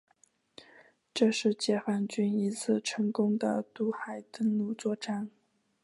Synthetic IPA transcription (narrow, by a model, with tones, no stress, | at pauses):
ʈ͡ʂɤ˥˧ʂɻ̩˥˩t͡ɕjɛ˥˩xwa˥˩nt͡ɕy˥ni˧˥t͡sʰɹ̩˥˩ʈ͡ʂʰɤ˧˥ŋkʊ˥ŋd̪ə̰˨t̪u˥˩xa˨˩ɪt̪ə˥˧ŋlu˥˩t͡swɔ˥˧ʈ͡ʂa˥˩n